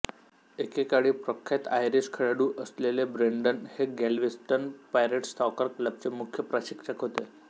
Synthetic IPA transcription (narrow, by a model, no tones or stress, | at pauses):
ekekaɽiːpɾəkʰːat̪ajɾiɕkʰəɭaɽuːʔəslelebɾeɳɖənheɡɛlʋisʈənpajɾəʈst̪ʰɔkəɾkləb̚t͡semukʰjəpɾəɕikʂəkɦot̪e